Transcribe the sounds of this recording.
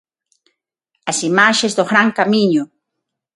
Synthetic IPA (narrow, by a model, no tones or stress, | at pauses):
asimaʃesd̪oχɾaŋkamiɲu